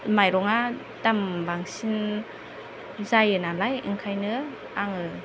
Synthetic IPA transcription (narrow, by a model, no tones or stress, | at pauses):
majɾɔŋa | dambaŋsin | zajɯnalajḭŋkʰajnɯ | aŋɯ